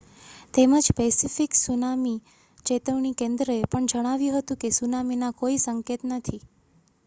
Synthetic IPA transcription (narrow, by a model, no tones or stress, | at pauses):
t̪eməd͡ʒpesifiksunami | t͡ʃet̪əʋɳikẽnd̪ɾəepəɳd͡ʒəɽ̃aʋjũɦət̪ũkesunaminakoisəŋket̪nət̪ʰi